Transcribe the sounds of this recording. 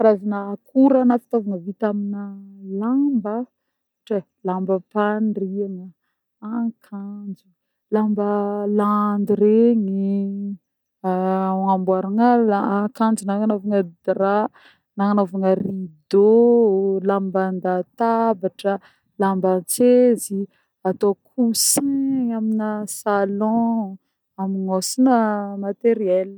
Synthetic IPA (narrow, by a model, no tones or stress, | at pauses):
aɾazinakʰuɾanafi̥t̪ovaŋəvit̪aminəlambə | ʈ͡ʂe | lambəpanriaŋə | akʰand͡ʒu | lambəland̪iɾeŋi | ambwaɾaŋəlakãnd͡ʒunaŋanovaŋəd̪ra | naŋanovaŋərid̪o | lamband̪at̪abaʈ͡ʂə | lambət͡sezi | at̪okʰusiaminəsalɔ̃ | amiŋosinəmat̪eɾiɛl